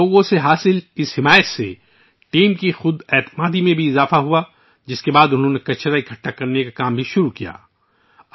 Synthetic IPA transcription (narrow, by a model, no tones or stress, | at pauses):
oːɡõseɦaːsɪlɪshɪmaːjət̪sḛ | ʈiːmkixʊd̪ɛːt̪maːd̪imẽbʱiɪzaːfaɦua | d͡ʒɪskebaːd̪ʊnɦõnekɐt͡ʃɾaikʰɐʈːakɐɾnekakaːmbʱiʃʊɾukija̰ː